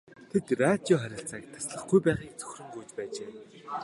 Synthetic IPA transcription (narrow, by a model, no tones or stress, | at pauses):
t̪ʰet̪rat̪iɔχæɾʲɪ̆ɬt͡saːk̚t̪ʰḁsɮə̆χɡujpæːʁiːk̚t͡sɵ̥xʲrɵ̆ŋɡujt͡ɕpæːt͡ɕeː